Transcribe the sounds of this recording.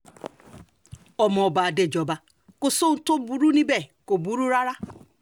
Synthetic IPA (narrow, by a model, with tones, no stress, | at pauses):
ɔ˨mɔ˨ba˨de˨d͡ʒɔ˨ba˦ | kʊ˨so˦n̩˨to˦bu˨ɾu˦ni˦be˨ko˨bu˨ɾu˦ɾa˦ɾa˦